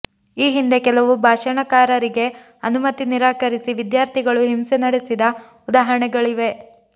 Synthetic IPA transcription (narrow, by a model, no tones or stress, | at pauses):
iːɦind̪e̞kɛlɐʋubʱaːʃɐɳɐkaːɾɐɾiɡe̞ | ɐnumɐt̪iniɾaːkɐɾisiʋid̪jaːɾt̪ʰiɡɐɭuɦimsenɐɽesid̪ɐ | ud̪aːɦɐɾɐɳɛɡɐɭiʋe̞